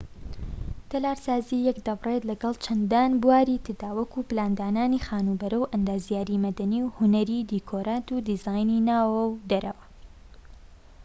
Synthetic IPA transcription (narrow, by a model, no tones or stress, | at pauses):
t̪ɐlaːɾsaːzijɐkd̪ɐbret̪lɐɡɐlˠt͡ʃʰɐnd̪aːnbuwaːɾit̪ʰɨd̪aːwɐkuplaːnd̪aːnaːnixaːnuːbɐɾɐwʔɐnd̪aːzijaːɾimɐd̪ɐniwhʊnɐɾiːd̪ikʰoːɾaːt̪ud̪izaːjninaːwɐwd̪ɐɾɐ̰wɐ